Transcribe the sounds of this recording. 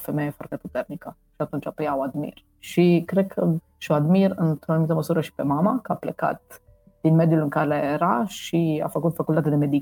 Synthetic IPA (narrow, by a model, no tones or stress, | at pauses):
femejefwa̰rt̪eput̪ernikə | ʃiat̪unt͡ʃapəjawad̪mḭr | ʃikɾekʰə | ʃioad̪miɾɨnt̪ɾonumit̪əməsuɾəʃi̥pemamakəaplḛka̰t̪ | d̪̥inmed̪julɨŋkaɾeːɾaʃia̰fəkut̪fakult̪at̪ed̪emed̪i